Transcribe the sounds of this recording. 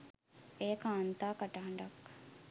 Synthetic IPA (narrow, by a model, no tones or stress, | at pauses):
ejəkaːnt̪aːkaʈaɳɖɐk